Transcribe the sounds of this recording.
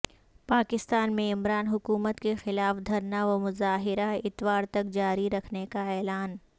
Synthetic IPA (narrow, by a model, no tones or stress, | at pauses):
paːkɪst̪aːnmẽɪmɾaːnɦʊkuːmət̪kexɪlaːfd̪ʱɐɾnaʋɐmʊzaːɦɪɾaɪt̪waːɾt̪ɐk̚d͡ʒaːɾiɾɐkʰnekaɛːlaːn